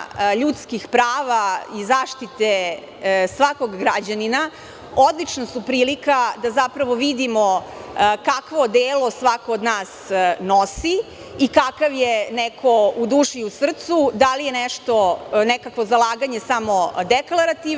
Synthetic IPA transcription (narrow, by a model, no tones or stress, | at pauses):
ʎut̪skixpɾaːʋaizaːʃt̪it̪e | sʋako̞ɡːɾad͡ʑanina | od̪lit͡ʃnasupɾiːlikad̪azapɾaʋo̞ʋid̪imokakʋo̞d̪eːlo̞sʋakoːd̪naːsnosi | ikakaʋjenekʰo̞ud̪uːʃiusr̩t̪sud̪alijeneʃt̪onekakʋo̞zalaːɡaɲe̞samo̞d̪eklˠaɾat̪i